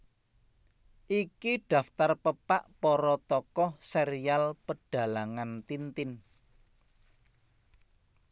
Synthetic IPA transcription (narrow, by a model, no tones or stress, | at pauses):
ʔikiɖ̥a̤ft̪arpəpaʔpɔɾɔt̪ɔkɔhseɾialpəɖ̥a̤laŋant̪int̪ɪn